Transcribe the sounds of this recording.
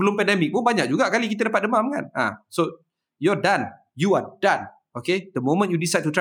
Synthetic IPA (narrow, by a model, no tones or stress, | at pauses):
bəlʊmpɛndɛmɪk̚pʊnbaɲak̚d͡ʒuɡaʔkalikit̪ədapat̪̚dəmãmka̰nã̰so | jɔdan | juadãn | okedəmomə̃njudisajd̚t̪ut